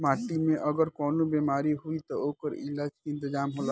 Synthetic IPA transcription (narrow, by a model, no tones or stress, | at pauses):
maːʈimẽʔɐɡəɾkɔːnobeːmaːɾiɦuit̪ɔoːkəɾɪ̰laːd͡ʒkiɪ̃nt̪ɪd͡ʒaːmɦoːla